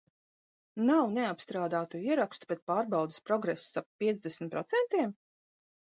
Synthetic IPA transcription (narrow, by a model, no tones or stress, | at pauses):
nawneapst̪ɾaːd̪aːt̪uiɛɾakst̪u̥pɛt̪̚paːɾbawd̪ɪspɾɔɡɾɛsːapːiɛd̪zd̪esm̩ʲt̪̚pɾɔt̪sɛnt̪iɛm